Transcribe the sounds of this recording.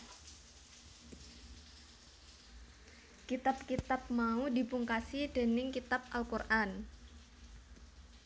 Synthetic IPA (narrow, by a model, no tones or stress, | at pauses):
kit̪ap̚kit̪ap̚maudi̤puŋkasid̥e̤nɪŋkit̪ap̚ʔalkurʔan